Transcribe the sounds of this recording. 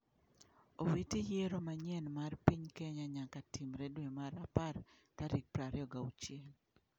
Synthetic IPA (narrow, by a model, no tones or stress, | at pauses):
owitijeɾomaɲɛnmarpiɲkeɲaɲakatimɾedwemaɾapar | taɾik̚pɾaɾɪɔɡaut͡ʃjel